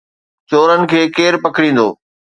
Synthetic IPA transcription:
t͡ɕoːɾənɪ̆kʰeːkeːɾpɐkɾĩːn̆d̪o̰ː

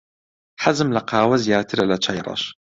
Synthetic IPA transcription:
ħazɨmlaqɑːwazjaːt̪ʰəɾalat͡ʃʰɑjɾˤɑ̰ʃ

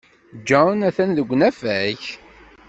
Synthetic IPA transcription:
d͡ʒɔnæθænðəɡʷːnæfæç

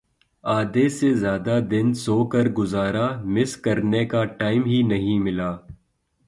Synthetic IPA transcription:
aːd̪esezjaːd̪ad̪ɪnsoːkɐɾɡʊzaːɾamɪskɐɾnekaʈaːɪmɦinɐɦĩmɪlaː

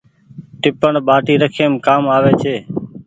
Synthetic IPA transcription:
ʈɪpəɳɓaːʈiːɾəkʰeːmkaːmaːʋeːt͡ʃʰeː

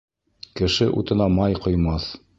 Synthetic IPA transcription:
kɘ̆ʃɘʔṵt̪ɤ̆nɑmɑjqŏjmɑθ

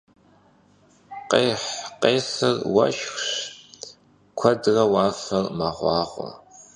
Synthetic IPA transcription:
qeːħqeːsɨrwɐ̰ʃxɕ | kʷʰɐdrɐwɑːfɐrmɐʁʷɑːʁʷɔ̰

